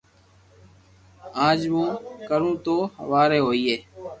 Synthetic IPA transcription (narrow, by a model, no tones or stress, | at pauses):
ãːd͡ʒmũːkəɾũːt̪oːɦə̰ʋaːɾeːɦoːiːeː